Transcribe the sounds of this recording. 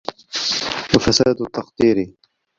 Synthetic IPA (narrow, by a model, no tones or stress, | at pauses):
wafasaːd̪t̪ːɑqd̪iːɾi